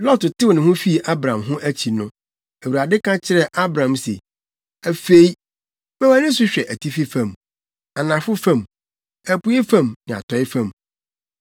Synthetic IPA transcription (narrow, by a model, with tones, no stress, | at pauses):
lɔ˦ttɪ˦wnɪ̃˨ɦʊ̃˦fi˦˨ʔa˦bɾã˨mɦʊ̃˦ʔæ˦t͡ɕʰi˨nʊ̃˦ | æ˨wu˨ɾa˨dɪ˦kʰã˦t͡ɕʰɪ˦ɾɛ˦˨ʔa˦bɾã˨msḛ˨ | æ˨fe˦i˦ | mɛ̃˦æ˨nɪ̃˦s̬ʊ˦ɕᶣɛ˨ʔæ˨tʰi˦fi˦fã˨m | a˨nã˨fʊ˦fã˦˨m | æ˨pu˨˦e˦fã˦˨mnɪ̃˨a̰˨tʰɔ˨˦ɪ˦fã˦˨m